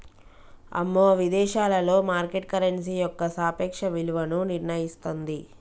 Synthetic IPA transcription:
ɐ̰mːoːʋid̪ɛːʃaːlɐlo̞ːmaːɾkeʈ̚kɐɾensiːjɔkːɐsaːpɛːkʂɐʋiluʋɐnuniɾɳɐjist̪ond̪i

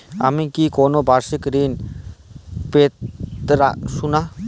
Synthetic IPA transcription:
a̰mĩkikonobʱaɾsikɾin | pet̪ɾasuna

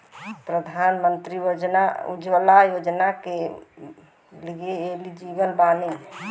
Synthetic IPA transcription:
pɾəd̪ʱanmənt̪ɾijod͡ʒnaṵd͡ʒʋəlajod͡ʒnake | liɡeːlid͡ʒibəlbani

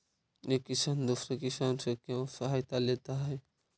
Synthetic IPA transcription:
ekːisand̪ufɾekisansekãsɐɦajt̪alet̪aɦɛ

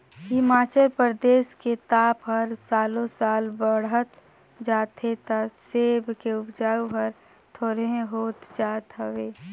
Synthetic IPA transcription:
ɦɪmaːt͡ʃəlpɾd̪eːsket̪aːpɦəɾsaːlõsaːlbəɽət̪ | d͡ʒaːt̪ɦet̪aseːbʱkeʊpd͡ʒaːuɦəɾ | t̪ʰoːɾeẽɦoːt̪d͡ʒaːt̪ɦəʋeː

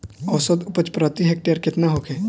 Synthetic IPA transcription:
əʋsəd̪ʊpət͡ʃpɾət̪iɦek̚ʈejəɾkɪt̪naɦoːkʰeː

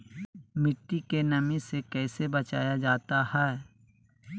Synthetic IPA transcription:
mɪʈːikenɐmĩsekɛːsebɐt͡ʃaːjad͡ʒaːt̪ahɛː

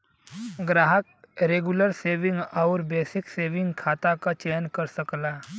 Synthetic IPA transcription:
ɡɾaːɦək̚ | ɾeːɡʊləɾseːʋɪ̃ŋɡɔːɾbeːsɪkseːʋɪ̃ŋɡkʰaːt̪akat͡ʃeːnkɐɾsɐklaː

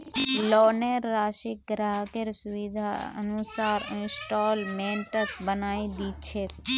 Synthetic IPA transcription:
lɔneɾːaʃik̚ɡɾaɦkeɾsuʋid̪ʱaə̰nusaɾɪ̃nsʈɔlmẽɳʈəkbənaid̪it͡ʃʰe

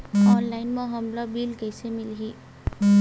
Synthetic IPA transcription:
ɔnlajnmʌɦʌmlʌbilkʌjsemilɦi

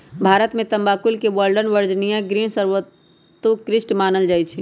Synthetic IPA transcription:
bʱaːɾət̪mẽt̪əmbakulkeʋəlɖənʋəɾd͡ʒnijãɡɾinsəɾʋət̪ː | ukɾɪsʈmaːnəld͡ʒajt͡ʃʰi

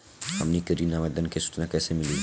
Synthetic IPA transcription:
ɦɐ̰mnikəɾinaʋɛd̪ənkesʊ̥t͡ʃnakɛːsemɪli

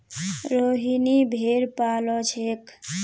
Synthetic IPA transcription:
ɾoɦinibʱeɾpalɔt͡ʃʰek

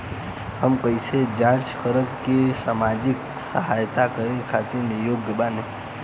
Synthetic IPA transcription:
həmkəisʰed͡ʒãt͡ʃkəɾəkːesamad͡ʒik | səɦajt̪akəɾekʰat̪iɾnejoɡəbane

